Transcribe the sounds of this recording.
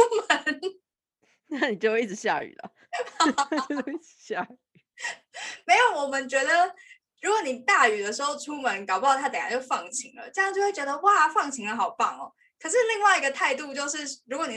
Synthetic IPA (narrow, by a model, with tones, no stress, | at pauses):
mə˧˦n | na˥˩ni˨˩t͡ɕjo˥˧ʊ˦i˥˩ʈ͡ʂɻ̩˨˦ɕja̰˥˩y̰˨˩lə̰˨˩˨ | t͡ɕo˥i̥˥˨˦ɕja˥˩y˨˩ | me˧˥ɪjo˨˩ʊwɔ˨˩mə˧˦nt͡ɕɥɛ˧˥d̪ə˨ | ɻu˧˥kwɔ˧˦ni˨˩t̪a˥˩y˨˩d̪ə˦ʂɻ̩˧˥ho˥˧ʊʈ͡ʂʰu˥mə˧˦nkɑ˨ʊpt̪ɑ˥˧˩t̪ʰa˥ə˨˦ja˥˩t͡ɕjo˥˧ʊfɑ˥˨˩ŋt͡ɕʰi˧˥˦ŋlə̰˨ʈ͡ʂɤ˥˧jɑ˥˧ŋt͡ɕjo˥˧xwe˥˩t͡ɕɥɛ˧˥d̪ə˧wa˥˧fɑ˥˩ŋt͡ɕʰi˧˥ŋlə˧xɑ˨˩ʊpɑ˥˩ŋɔ˨˩ | kʰə˨˩ʂ̬ɻ̩˥˧li˥˧ŋwa˥ɪi˧˥ɡə˧t̪ʰa˥˧ɪt̪u˥˧t͡ɕjo˥˧ʊʂɻ̩˥˩ɻu˧˥kwɔ˧˦ni˨˩